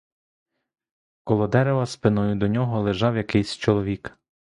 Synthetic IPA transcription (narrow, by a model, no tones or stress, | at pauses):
kɔlˠɔd̪ɛɾeʋɐspɪnɔjʊd̪ɔnʲɔɦɔlˠeʒɑwjɐkɪjsʲt͡ʃɔlˠɔʋʲik